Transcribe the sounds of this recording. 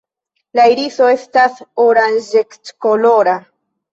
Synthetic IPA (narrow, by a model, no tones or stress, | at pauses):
laiɾiso̞e̞stasoɾanʒektkoloɾa